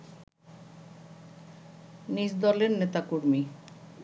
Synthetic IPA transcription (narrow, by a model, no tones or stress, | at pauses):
niʃd̪ɔleɾnet̪akuɾmi